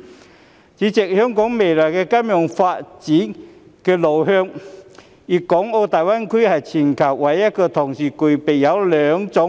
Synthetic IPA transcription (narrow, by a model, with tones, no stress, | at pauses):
t͡ɕi˨˥t͡ɕe˨˩k̚hœ˧ŋkɔ˨˦ŋme˨˩laː˨˩kɛ˧ka˧˥mjɔ˨˧˩ŋfa˧tt͡ɕi˨˦n | ke˧lo˨˩wɦœ˧ŋ | ʔi˧˩kɔ˨˥ŋo˧wt̪aː˨jwa˥˨nkʰwi˧˥ha˨˩jt͡ɕʰi˨˩nkʰa˨˩wwa˨˥˦ja˧˥kəː˧t̪ʰɔ˨˩ŋsi˨˩ku˨˩pe˨˩ja˨˧˥wlœ˨ŋt͡sɔ˨˦